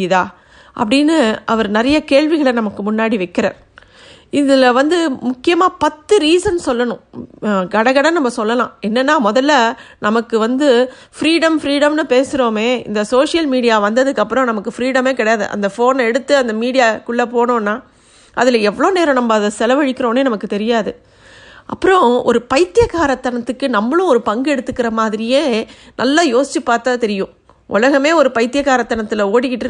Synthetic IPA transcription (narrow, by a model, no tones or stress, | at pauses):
ðaː | ʔɐ̰pːɐɽɪnːɯʔɐʋɐɾnɐɾɐjɐkeːɻʋɪɣɐɭɐnɐmɐkːɯmʊnːaːɽiʋɐɪkːɪɾɐ̰ːɾ | ɪðɪlɐʋɐnd̪ɯmʊkːɪjɐmaːpɐt̪ːɯɾiːsɐnsɔlːɐnʊ̃ɡɐɽɐɣɐɽɐnɐmːɐsɔlːɐlã̰ːɛnːɐnːaːmɔðɐlːɐnɐmɐkːɯʋɐnd̪ɯ | fɪɾiːɽɐmfɾiːɽɐmnɯpeːsɯɾoːmeːɪ̰nd̪ɐsoːʂɪjɐlmiːɽɪjaːʋɐnd̪ɐðɯkːɐpːɯɾɔ̃nɐmɐkːɯfɾiːɽɐmeːkɪɽɐjaːðɯ̰ʔɐ̰nd̪ɐfoːnɛɽɯt̪ːɯɐnd̪ɐmiːɽɪjaːkʊɭːɐpoːɳõːnːaː | ʔɐ̰ðɪlɐɛʋːɐɭoːneːɾɐ̃nɐmːɐɐðɐsɛlɐʋɐɻɪkːɪɾõːneːnɐmɐkːɯt̪ɛɾɪjaːðɯ | ʔɐ̰pːɯɾɔ̃ɔ̰ɾɯpɐɪt̪ːɪjɐɣaːɾɐt̪ːɐɳɐt̪ːɯkːɯnɐmːɐɭʊ̃ɔɾɯpɐŋɡɯɛɽɯt̪ːɯkːɪɾɐmaːðɪɾɪjeːnʔɐlːajoːsɪt͡ʃːɯpːaːɾt̪aːt̪ɛɾɪjʊ̃ | ʔʊ̰lɐɣɐmeːɔɾɯpɐɪt̪ːɪjɐɣaːɾɐt̪ːɐɳɐt̪ːɪlɐoːɽɪkːɪʈːɯ